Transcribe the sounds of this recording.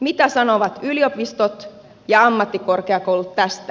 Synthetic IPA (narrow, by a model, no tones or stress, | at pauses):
mit̪æsɑnoʋɑt̪ylio̞pist̪ot̪ | jɑɑmːɑt̪ːiko̞rkeɑkowlut̪tæst̪æ